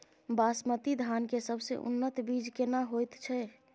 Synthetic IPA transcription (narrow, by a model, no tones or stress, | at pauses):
basmət̪id̪ʱankesəbʱsḛʔṵnːət̪bid͡ʒkenaɦojt̪t͡ʃʰɛ